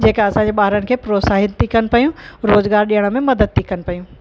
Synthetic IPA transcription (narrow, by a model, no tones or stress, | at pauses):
d͡ʑeːkaɐsãɲd͡ʑeɓaːɦɾənɪ̆kʰeːpɾoːsaːɦɪt̪t̪ːikɐnɪpɐjũɾoːzɡaːɾɗijəɽ̃ə̆mẽmɐd̪əd̪̚t̪ʰːikɐnɪ̆pɐjũː